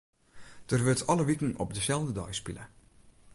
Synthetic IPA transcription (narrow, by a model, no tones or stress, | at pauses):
d̥ərʋøtʰɑləʋikn̩ɔ̰p̚dəsɛlˠvdədɔ̰jspḭlə